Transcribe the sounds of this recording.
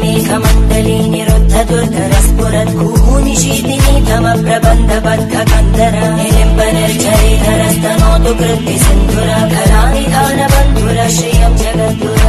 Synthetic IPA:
meːkʰɐmɐɳɖɐliːniɾud̪ʱːɐd̪uɾd̪ʱɐɾɐspuɾɐt̪ɡʱuːɦuːniʃiːd̪init̪ɐmɐpɾɐbɐnd̪ʱɐbɐnd̪ʱɐkɐnd̪ɐɾɐ | ilimbɐnɐɾt͡ʃɐɾiːd̪ʱɐɾɐst̪ɐnoːt̪uɡɾɪnt̪isind̪ʱuɾɐkɐd̪aːnid̪ʱaːnɐbɐnd̪ʱuɾɐʃijɐmd͡ʒɐɡɐt̪ʋuɐ

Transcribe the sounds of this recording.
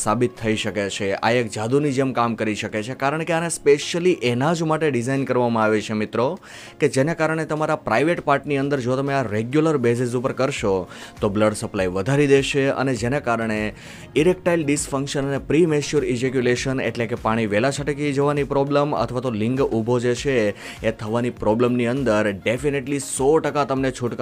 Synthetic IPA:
sabit̪ʰːəiʃəket͡ʃʰea̰ek̚d͡ʒad̪unid͡ʒemkamkəɾiʃəket͡ʃʰekaɾəɳkeanespeʃjəliʔenad͡ʒmaʈeɖizainkəɾʋamãaʋet͡ʃʰemɪt̪ɾo | ked͡ʒenekaɾəɳ̃et̪əmaɾapɾaiʋeʈpaɾʈniənd̪əɾd͡ʒot̪əmeaɾeɡjuləɾbes̬is̬upəɾkəɾʃot̪obləɖsəplaiʋəd̪ʱaɾid̪eʃeə̰ned͡ʒenakaɾəɳ̃e | iɾek̚ʈailɖiskfə̃ŋkʃənənepɾimet͡ʃuɾid͡ʒekjuleʃənḛʈlekepaɽ̃iʋelat͡ʃʰaʈekid͡ʒəʋanipɾɔblemə̰t̪ʰʋat̪olɪ̃ŋɡubʱod͡ʒeʃʰe | et̪ʰəʋanipɾɔbləmniənd̪əɾɖefineʈlisɔʈəkat̪əmnet͡ʃʰuʈk

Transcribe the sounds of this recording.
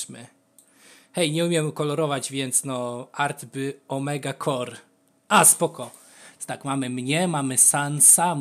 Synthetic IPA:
mɘ̰ | xɛjɲɛumʲjɛmkɔlɔɾɔvad͡ʑvʲjɛnt̪snɔaɾt̪bɘɔmɛɡakʰɔɾ | ʔaspɔkɔ̥ | t̪akmamɘmɲɛmamɘsansam

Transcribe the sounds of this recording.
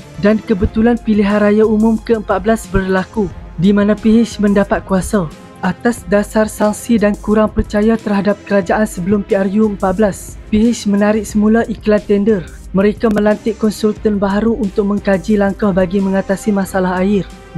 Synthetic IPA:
dankəbət̪ulanpiliɦanɾajaumʊ̃mkəəmpat̪̚bəlasbərlakudimãnãpiɦɪt͡ʃmə̃ndapat̪̚kuasa | ʔat̪asdasarsaŋsidankuɾaŋpərt͡ʃajat̪ərhadap̚kəɾad͡ʒaʔansəbəlʊmpiarjuəmpat̪̚bəlaspiɦɪsmənaɾɪk̚səmulaʔiklant̪ɛndər | mə̃ɾekaməlant̪ɪʔkɔnsult̪ənbaɦaɾuːnt̪ʊk̚mə̃ŋkad͡ʒilaŋkahbaɡimə̃ŋat̪asimasalaɦaɪr

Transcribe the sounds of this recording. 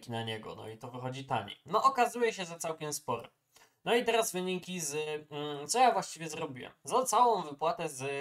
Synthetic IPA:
kʲinaɲɛɡɔ̰nɔ̰it̪ɔvxɔd͡ʑit̪aɲḭnɔʔɔkazujɛɕɛzat̪sawkʲɛmspɔɾɛ̰ | nɔit̪ɛɾazvɘɲikʲiz̩t̪sɔjavwaɕt͡ɕivʲɛzɾɔbʲiwɛ̰mmzat̪sawɔ̃w̃vɘpwat̪ɛz

